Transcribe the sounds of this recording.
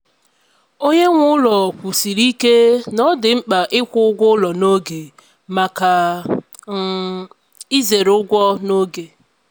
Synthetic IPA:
o˦ɲe˦ŋʷʊ˦lɔ˨kʷu˨si˨ɾi˦ke˦nɔ˦dɪ˨ŋ͡m̩˦k͡pa˨ʔɪ˦kʷʊ˦ʊ˦ɡʷʊ˦lɔ˨no˦ɡe˨ | ma˨ka˨ | i˦ze˨ɾʊ˦ɡʷɔ˦no˦ɡe˨

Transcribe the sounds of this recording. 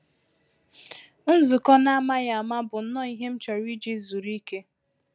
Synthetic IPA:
n̩˦zʊ˨kɔ˦na˦a˦ma˦ja˨a˨ma˦bʊ˨n̩˦nɔ˦i˦ɦe˦m̩˦t͡ʃɔ˨ɾi˦d͡ʒi˦zu˨ɾi˦ke˦

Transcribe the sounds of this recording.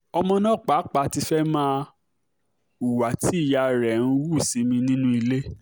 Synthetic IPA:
ɔ˧mɔ̃˧nã˦˨k͡pa˨˦k͡pa˧˨ti˧fɛ˦mãː˦ | u˨wa˨ti˨˦i˦˨ja˧ɾɛ˨n̩˦wu˦˨si˨˦mĩ˧nĩ˦nũ˦i˧le˦

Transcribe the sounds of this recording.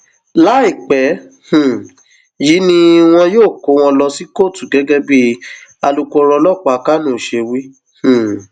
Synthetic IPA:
la˦i˦˨k͡pɛ˨˦ | hũ˨ | ji˨˦nĩ˦w̃ɔ̃˧joː˦˨ko˨˦w̃ɔ̃˧lɔ˧si˦ko˦˨tu˨ɡɛ˨˦ɡɛ˦bi˦a˧lu˧ku˦˧ɔ˧ɾɔ˧lɔ˦˨k͡pa˨˧ka˦nũ˦˨ʃe˧wi˦ | h̩˨

